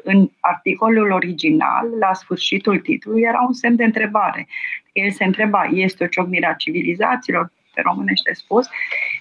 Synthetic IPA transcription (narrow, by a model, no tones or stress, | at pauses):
ɨnart̪iko̞lulo̞ɾid͡ʒina̰lːasfɨrʃit̪ult̪it̪ululijeɾaunsemd̪e̞ɨnt̪ɾe̞baɾe̞̰̥kəjelseɨnt̪ɾe̞baje̞st̪eo̞t͡ʃo̞ɡniɾeat͡ʃiviliza̰t̪siːlo̞r | p̪ḛɾo̞mɨne̞ʃʲt̪e̞spus